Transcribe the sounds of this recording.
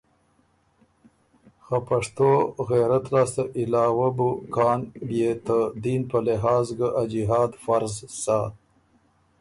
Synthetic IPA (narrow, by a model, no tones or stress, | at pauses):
xapaʂt̪oɣeɾat̪lɑːst̪əʔɪlɑːwabukɑːnbjet̪əd̪inpəlɪɦɑːzɡəʔad͡ʒiɦɑːd̪faɾzsa